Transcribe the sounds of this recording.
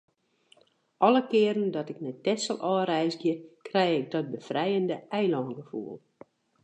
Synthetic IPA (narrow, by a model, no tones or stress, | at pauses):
ʔɔləkɪːɾəndɔtɪknɛtɛsəlˠʔɔːrɛjzɡjəkrɛjɪk̚dɔt̚bəfrɛjəndəɛjlɔːnɡəfṵːəlˠ